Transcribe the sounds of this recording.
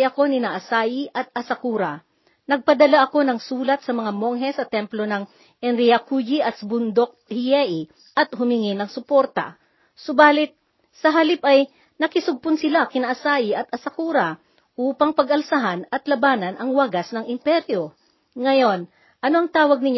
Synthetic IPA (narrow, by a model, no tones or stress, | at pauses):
jɐko̞nɪnaʔɐsaːjɪʔɐt̪̚ɐsɐkuːɾɐ | nɐɡ̚pɐd̪ɐlaʔɐko̞nɐŋsuːlɐt̪̚sɐmɐŋamo̞ŋɦɛsɐt̪ɛmplo̞nɐŋ | ʔɛnɾijɐkud͡ʒiʔɐt̪sɐbʊnd̪ok̚hɪjɛʔi | ʔɐt̪hʊmɪŋɪnɐŋsʊpo̞ɾt̪ɐ̰ | sobaːlɪt̪̚ | sɐɦɐlɪpʔɐj | nɐkɪsʊɡ̚pʊnsɪlakɪnɐʔɐsaːʔɪʔɐt̪̚ʔɐsɐkuːɾɐ | ʔuːpɐŋpɐɡʔɐlsɐɦanɐt̪lɐbaːnɐnʔɐŋwaɡasnɐŋɪmpɛɾjo̞ | ŋɐjo̞n | ʔɐno̞ɐŋt̪aːwɐɡ̚nɪɲ